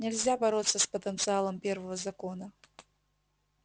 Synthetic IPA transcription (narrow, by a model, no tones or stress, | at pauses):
nʲɛlʲzʲabaɾɔt̪sːɐspɐt̪ənt̪sɨalˠɐmpʲɛrvɐvɐzakɔnɐ